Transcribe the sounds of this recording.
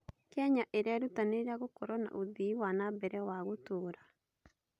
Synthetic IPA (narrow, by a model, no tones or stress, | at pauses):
kaɲaʔeɾeaɾutaneɾaɣokɔɾɔna̰ʔoðiwanabɛɾɛwaɣotoːɾa